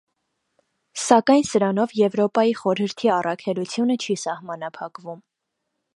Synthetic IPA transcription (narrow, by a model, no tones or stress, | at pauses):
sɑkɑjnsəɾɑnɔvjɛvɾɔpɑjiχɔɾhəɾt̪ʰiɑrɑkʰɛlut͡sʰjunət͡ʃʰisɑhmɑnɑpʰɑkvum